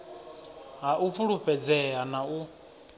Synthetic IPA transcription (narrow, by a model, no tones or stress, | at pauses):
ɦaʔufʰuɺuɸɛd͡zɛanau